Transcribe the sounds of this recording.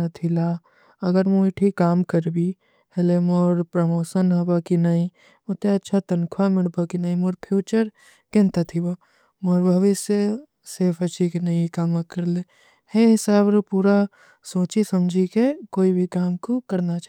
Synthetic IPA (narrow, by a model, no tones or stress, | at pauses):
ɐt̪ʰilaː | ɐɡəɾmoɪʈʰikaːmkɐɾbi | helemoːɾpɾɐmoːsənɦɐbakinaĩ | ot̪eɐtːʃʰat̪ɐnkʰwamɪɽbakinaːĩmoːɾpʰjuːt͡ʃəɾ | kẽnt̪ət̪ʰibo | moːɾbʱɐʋɪse | sefɐt͡ʃʰikinɐĩkaːmakɐɾle | heɦɪsaːbɾopuːɾa | soːt͡ʃisɐmd͡ʒʱikekoːibʱikaːmkokɐɾnat͡ʃa